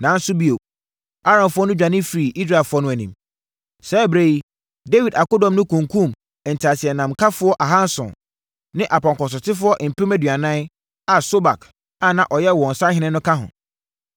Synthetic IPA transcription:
nãː˨˦n̩˦sʊ˦bi˦o˨ | a˦ɾã˨nfʊ˦ɔ˦nʊ̃˦d͡ʑᶣã˨nɪ̃˦fɾi˨ʔi˦s̬ɾa˦˨fʊ˦ɔ˦nʊ̃˦æ˨nĩ˨m | sɛ˦bɾe˦i˦ | de˦wi˨da˨kʊ˦dɔ̃˨mnʊ̃˦kʰũ˨ŋkʰũ˦˨m˨ | n̩˨tʰa˨sɪ˨ɛ˨nã˨mkʰa˦fʊ˦ɔ˦ʔa˨ɦã˦nsʊ̰̃˨n | nɪ̃˦ʔa˨pʰɔ̃˨ŋkɔ˨s̬ɔ˨tʰɪ˦fʊ˦ɔ˦ʔm̩˨pʰɪ˦mæ˦dɥa˨nã˦n˦ | a˨so˦ba˨kʰ | a˨nã˨ʔɔ˨jɛ˦wɔ̃˨n̩˨sã˦ɦɪ̃˦nɪ̃˦nʊ̃˦kʰa˦ɦʊ̰̃˨

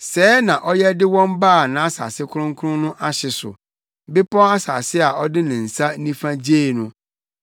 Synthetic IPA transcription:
sɛː˨˦nã˨ʔɔ˦jɛ˦dɪ˦wɔ̃˦mbaː˦˨nã˨˦a˦sa̰ː˨sɪ˦kʰʊ˦ɾʊ̃˦ŋ˦kʰʊ˦ʊ̃˦nʊ̃˦ʔa˦ɕɪ˨sʊ̰˨ | bɪ˦pɔ̃˦a˦sa̰ː˨sɪ˦a˨ʔɔ˦dɪ˦nɪ̃˨n̩˨sa˦nĩ˦fã˦d͡ʑeː˦˨nʊ̃˦

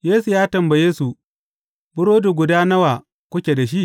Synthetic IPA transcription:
jeː˦su˨jaː˦tɐ˨mbɐ˨jeː˦su˨ | bʊ˦ɽoː˦du˨ɡʷʊ˨daː˦nɐ˦waː˨ | kʷʊ˦kʲeː˨da˨ʃ̬i˦ʔ

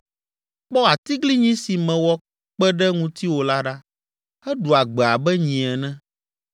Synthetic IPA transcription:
k͡pɔ˦a˨t̪i˦ɡli˦ɲĩ˦si˨mɛ̃˨wɔ˦ | k͡pɛ˦ɖɛ˦ŋũ˦t̪i˦wo˨la˦ɖa˦ | hɛ˦ɖu˨a˨ɡ͡bɛ˨a˨bɛ˦ɲĩ˨ɛ˨nɛ̃˦

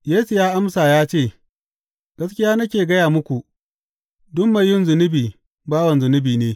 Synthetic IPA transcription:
jeː˦su˨jaː˦ʔa˦msaː˨jaː˦t͡ʃeː˦˨ | ɡ̥ɐ˦skʲɪ˦jaː˦nɐ˦kʲeː˨ɡɐ˦jaː˨mʊ˦kʷu˨ʔ | dʊ˦mːa˨jːʊ˦˨nzʊ˨nɪ˦biː˨ | baː˦wɐ˨nzʊ˨nɪ˦biː˨neː˦

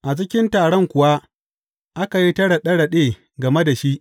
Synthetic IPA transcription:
ʔa˨d͡ʒɪ˦kʲɪ˦ntaː˨ɽɔ˦ŋkʷʊ˨wa˦ | ʔa˦ka˨ji˦tɐ˦ɽɐ˨ɗɐ˦ɽɐ˨ɗeː˦˨ | ɡɐ˨me˦da˨ʃi˦ʔ

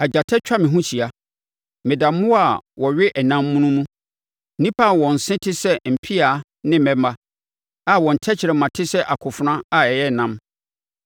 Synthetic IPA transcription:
a˨d͡ʑa˨tʰɛ˦t͡ɕᶣa˦mɪ̃˨ɦũ˦t͡ɕi˨a˨ | mɪ̃˨da˨mːʊ̃˦a˨wɔ˨ɥɪ˦ʔɛ˨nã˦mːũ˦nũ˦nũ˦˨ | nĩ˦pʰa˦˨wɔ̃˨n̩˨sɪ̃˦tʰɪ˦sɛ˦m̩˨pʰi˦a˨˦ | nɪ̃˦mɛ̃˦ma˦ | a˨wɔ̃˨n̩˨tʰɛ˦t͡ɕʰɪ˨ɾɛ˨mã˨tʰɪ˦sɛ˦ʔa˨kʰʊ˨fʊ˨nã˦a˨ɛ˨jɛ˦˨nã˦m

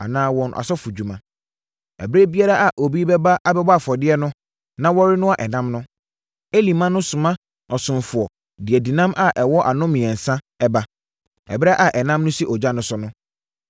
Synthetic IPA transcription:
a̰˨nãː˦wɔ̃˨n˨ʔa̰˨sɔ˦fu˨d͡ʑu˨mã˨ | ɛ̰˨bɪ˦ɾe˦bi˦a˦ɾa˦ʔa˨ʔo˨bi˦bɛ˦ba˦ʔa˦bɛ˦bfɔ˨dɪ˦ɛ˦nʊ̃˦ | nã˦wɔ˦ɾɪ˦nʊ̃˦a˨ʔɛ˨nã˦mnʊ̃˦ | e˦li˨mã˦nʊ̃˦sʊ˨mã˦ | ɔ˨sʊ̃˨nfʊ˨ɔ˨ | dɪ˨ɛ˨di˨nã˦mʔa˦ʔɛ˨wɔ˦ʔa˨nʊ̃˦mɪ̃˨ɛ̃˨n̩˨sã˦ | ɛ˦ba˦ | ɛ̰˨bɪ˦ɛ˦ʔa˨ʔɛ˨nã˦mnʊ̃˦si˦ʔɔ˨d͡ʑa˦nʊ̃˨sʊ˦nʊ̃˦

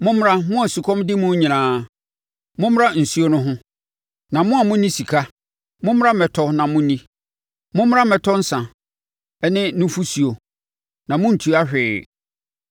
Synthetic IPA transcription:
mʊ̃˦m˦ɾa˦mʊ̃˦a˨su˨kʰɔ̃˦mdɪ˦mʊ̃˦ɲĩ˨nãː˨˦ | mʊ̃˦m˦ɾa˦n̩˨su˦o˦nʊ̃˦ɦʊ̃˦ | nã˨mʊ̃˦a˨mʊ̃˦nĩ˦si˨kʰa˦ | mʊ̃˦m˦ɾa˦mɛ˨tʰɔ˦nã˨mʊ̃˦nĩ˦ | mʊ̃˦m˦a˦mɛ˨tʰɔ˦n̩˦sã˨ | ɛ˦nɪ̃˦nʊ̃˦fu˦su˨o˨ | nã˨mʊ̃˦n̩˨tʰu˨˦a˦ɕᶣɪː˨

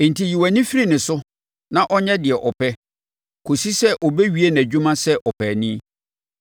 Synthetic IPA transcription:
n̩˨tʰi˨ji˨wæ˨nĩ˦fi˦ɾi˦nɪ̃˨sʊ˦ | nã˦ʔɔ˦ɲɛ̃˦dɪ˨ɛ˨ʔɔ˨pʰɛ˦ | kʰo˨si˦sɛ˦ʔɔ˨be˦ɥi˨˦e˦n˨æ˨d͡ʑᶣu˦mã˦sɛ˦ʔɔ˨pʰɛː˨nĩ˦

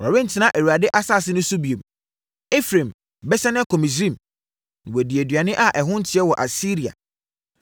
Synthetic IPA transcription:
ɔ˨ɾa˨bẽ˦n̩˨tʰɪ˨nã˦ʔe˨wu˨a˨dɪ˦ʔa˦saː˦˨s̬ɪ˦nʊ̃˦su˦bi˨ẽ˨m | e˦fɾẽ˨m | bɛ˦ɕɛ˦nɪ̃˦kʰɔ˨mĩ˨s̬ɾĩ˦˨m̃˨ | wɛ˨di˨æ˨dɥa˨nɪ̃˦ʔa˦ʔɛ˨ɦʊ̃˦n̩˦tʰɪ˨˦ɛ˦wɔ˨ʔa˨si˦ɾi˨a̰˨

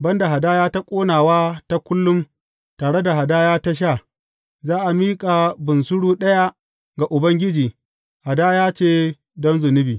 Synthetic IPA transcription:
bɐ˦nda˨ɦa˨daː˦jaː˦ta˦kʷʼoː˦naː˨waː˦ta˦kʷʊ˦lːʊ˦m | taː˨ɽe˦da˨ɦa˨daː˦jaː˦ta˦ʃ̬aː˦˨ | zaː˦ʔa˨miː˦kʼa˨bʊ˨nsʊ˦ɽuː˦ɗɐ˦ja˦ | ɡa˨ʔʊ˨bɐ˦ŋɡʲɪ˦d͡ʒiː˨ | ha˨daː˦jaː˦t͡ʃeː˦ | dɔ˦mzʊ˨nɪ˦biː˨

